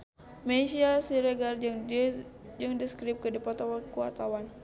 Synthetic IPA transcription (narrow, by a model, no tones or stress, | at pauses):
mesiasiɾɛɡar | jaŋdiskɾip̚kədipɔt̪ɔwakua̰rt̪awan